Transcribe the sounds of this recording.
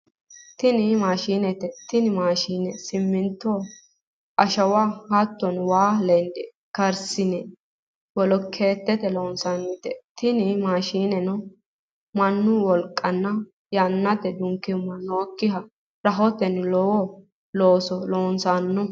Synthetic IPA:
t̪ɪnɪmaːʃiːnɛt̪ɛt̪ɪnɪmaːʃiːnɛsɪmːɪnt̪ːɔ | ʔɐʃɐwahat̪ːɔnwaːlɛnd̪ɛ | kɐɾsɪnɛ | wɔlɔkʰːeːt̪ːɛt̪ɛloːnsanːɪt̪ɛt̪ɪnɪmaːʃiːnɛnɔ | mɐnːʊwɔlkʼːɐnːɐ | jɐnːɐt̪ɛd̪ʊŋkːɪmːɐnoːkːɪhɐ | ɾɐɦɔt̪ɛnlɔwɔ | loːsɔloːnsanːɔ

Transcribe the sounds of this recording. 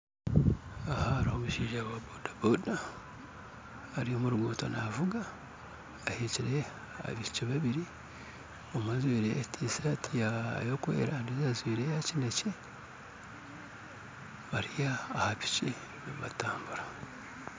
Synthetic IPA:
ahaɾohomuʃiːʒaβwabodaboda | ɾiomuɾuɡoːtonavuɡaː | heciɾe̞ | a̰βiciβaβiɾi | omwazwiːɾeja̰tʰisatʰijajokwḛːɾandizazwiːɾejacineci | βaɾijaːhapi̥ci | naβataːmbuɾa

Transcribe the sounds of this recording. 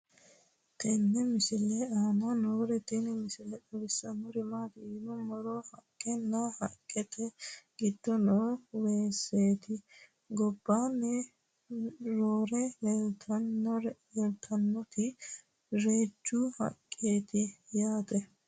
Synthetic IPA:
t̪ʰɛnːɛmɪsɪlɛaːmɐnoːɾɛt̪ɛnɛmɪsɪlɛᶑɐwɪsːɐmɔɾɪmaːt̪ɪnɔmɔɾɔhɐkʼːɛnːɐhɐ̰kʼːɛt̪ʰɛɡ̥ɪd̪̥ːɔnoːweːsːeːt̪ɪ | ɡɔbːaːnːɛ | ɾoːɾɛjɛlt̪ɐnːɔhɛlt̪ʰɐnːɔt̪ɪ | ɾeːd͡ʒːʊhɐ̰kʼːeːt̪ɪjaːt̪ɛ

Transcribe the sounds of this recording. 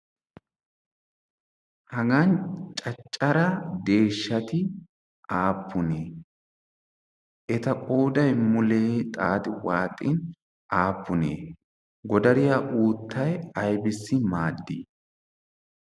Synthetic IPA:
hɐɡɐnt͡ʃʼɐt͡ʃʼːɐɾɐd̪e̞ːʃːɐt̪ɪ | ʔaːpːʊneː | ʔɛt̪ɐkʼoːd̪ɐjmʊleːt̪ʼaːt̪ɪwaːt̪ʼɪ̰n | ʔaːpːʊnḛː | ɡɔd̪ɐɾɪjaʔuːt̪ʰːɐjɐjbɪsːɪmaːd̪ːiː

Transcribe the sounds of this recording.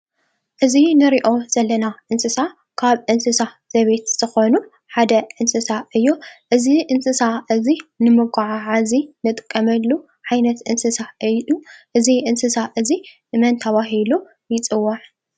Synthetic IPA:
ʔɨzinɨɾiʔo̞z̥ɐlːɐnaʔɨnsɨsa | kʰaβʔɨnsɨsa | z̥ɐβe̞t̪z̥ɨxo̞nu | ħad̪ɐʔɨnsɨsaʔɨjːoʔɨziʔɨnsɨsaʔɨzinɨmɨɡʷaʕaʕazinɨt̪ʼɨkʼːɐmɐlːu | ʕajnɐt̪ʔɨnsɨsaɨuʔɨziʔɨnsɨsaʔɨzi | mɐnt̪ʰɐβaɦilu | jɪt͡sʼɨwːaʕ

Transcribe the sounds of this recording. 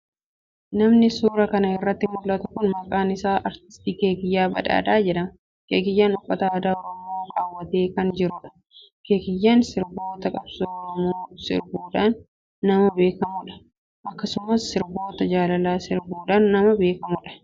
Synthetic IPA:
nɐmnɪsuːɾɐkɐnɐɪrːɐt̪ːɪmʊlːɐt̪ɐ̥kʊnmɐkʼaːnɪsaːʔɐɾt̪ɪ̥st̪iːkeːɡɪjːaːbɐ̰ᶑa̰ːᶑ̪aːd͡ʒɛᶑɐmɐ | keːɡɪjːaːnʊpʼːɐt̪aːd̪aːɔɾɔmoːɾaːwːɐt̪e̞ːkɐnd͡ʒɪɾʊᶑɐ̥ | keːɡɪjːaːnsɪɾbo̞ːt̪ɐkʼɐbsoːɔɾɔmoːsɪ̰ɾbuːᶑaːnː | ɐmɐbe̞ːkɐmʊᶑɐ̥ | ʔɐkːɐsʊmːɐsːɪɾbo̞ːt̪ɐd͡ʒaːlɐlaːsɪɾbuːᶑaːnːɐmɐbe̞ːkɐmʊᶑɐ̥

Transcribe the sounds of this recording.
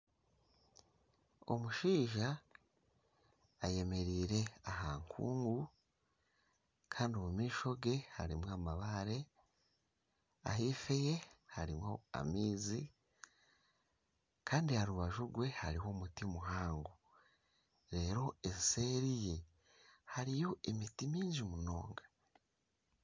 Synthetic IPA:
o̞̰muʃiːʒa | je̞me̞ɾiːɾe̞ahaŋkʰṵːŋɡu | kʰaːndiomumiːʃo̞ɡe̞ha̰ɾimwaːmaβaɾe̞ | a̰ɦiːfe̞je̞haɾimwo̞a̰miːzi | kʰaːndihaɾuβaʒuɾɡwe̞haɾiho̞mutimuɦaːŋɡo | ɾe̞ːɾo̞ese̞ːɾije | haɾijo̞ʔemitimiːɲʒimuno̞̰ːŋɡḁ

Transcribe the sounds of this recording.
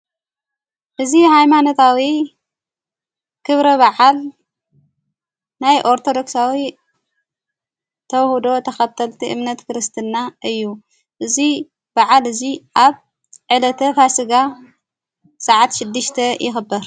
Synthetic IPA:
ʔɨzihajmanot̪ʰawi | kʰɨβɾɐβaʕal | najʔo̞ɾt̪ʰo̞d̪o̞ksawi | t̪ʰɐwhud̪o̞t̪ʰɐxɐt̪ʰːɐlt̪ʰiʔɨ̰mnɐt̪kɨɾɨst̪ʰɨnːaʔɨjːu | ʔɨzi | b̥aʕalɨziʔaβ | ʕɨlɐt̪ʰɐfasɨɡa | sʼaʕat̪ʃɪd̪ːɨʃt̪ʰɐjʔɪxɨbːɨɾ

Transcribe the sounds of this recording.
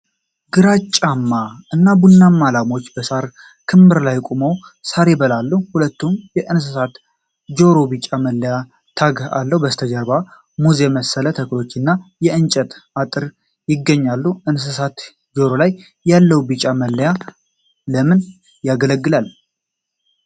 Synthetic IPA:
ɡ̥ɨɾat͡ʃʼːamːaɨnːabunːamːalamo̞t͡ʃːbəsaɾ | kʰɨmbɨɾlajkʼumowsaɾe̞bəlalːuhulət̪ːumjɛʔɨns̬ɨsat̪ | d͡ʒo̞ɾo̞bit͡ʃʼaməlːəja | t̪ʰaɡa̰lːəhubəst̪ʰəd͡ʒəɾba | muzeməsːələt̪ʰəklo̞t͡ʃːɪnːajɛɨnt͡ʃʼɛt̪at̪ʼɨɾ | jɪɡːəɲːalːuɨns̬ɨsat̪ | d͡ʒo̞ɾo̞lajː | alːəhwbit͡ʃʼaməlːəja | ləmɨn | jaɡələɡːɨlal

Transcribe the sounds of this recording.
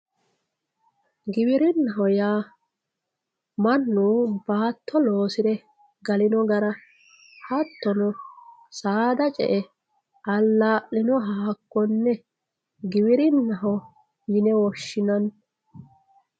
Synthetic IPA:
ɡɪbɪɾɪnːɐɦɔjaː | mɐnːuːbaːt̪ʰːɔlo̞ːsɪd̪ɛ | ɡɐlɪnɔɡɐɾɐ | hɐt̪ːɔnɔsaːd̪ɐt͡ʃʼɛ̰ʔɛ | ʔɐlːaːʔɪnɔɦaːkːɔnːɛ | ɡɪbɪɾɪnːɐɦɔ | jɪnɛwɔʃːɪnɐn

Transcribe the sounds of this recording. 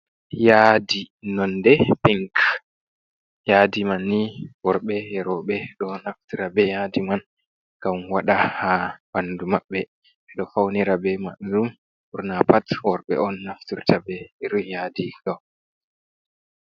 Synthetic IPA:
jadinɔndɛpiŋk | jadimanːiwɔɾɓɛjɛɾɔɓɛɗɔnaftiɾabɛjadiman | ɡ̥amwaɗahabanːdumaɓːɛ | ʔɛɗɔfawniɾabɛmaɗdum | uɾnapatwɔɾɓɛ̰ɔnːaftiɾtabɛɾɔjadiɡaw

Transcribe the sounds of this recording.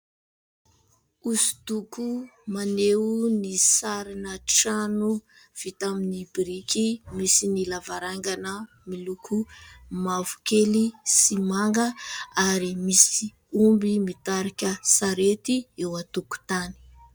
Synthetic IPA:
usu̥t̪ukumaneunisaɾinəʈ͡ʂanu | v̥it̪aminibiɾikimisinilavaɾaŋɡanə | milukʰumavu̥kelisimaŋɡəaɾimisi | umbimit̪aɾakʲəsaɾet̪iewat̪uku̥t̪ani̥

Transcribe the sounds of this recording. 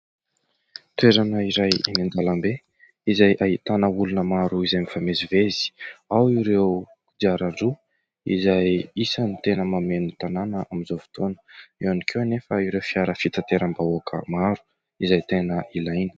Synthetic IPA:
t̪ueɾanəiɾajḭnind̪alambe | izajʔaɦit̪anəulunəmaɾuizajmifamezivezi̥awiɾew | kud͡ʒ̪aɾaɳɖ͡ʐu | ḭzajisənit̪enəmamenut̪ananəaminzofi̥t̪onə̥ewanikʰewanefəiwɾewfiaɾəfit̪at̪eɾambaokʰə̰maɾu̥ | izajt̪enəʔilajni̥

